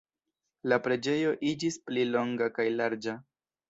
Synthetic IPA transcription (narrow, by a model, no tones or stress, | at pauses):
lapɾe̞d͡ʒe̞jo̞ʔid͡ʒisplilo̞ŋɡakajlaɾd͡ʒa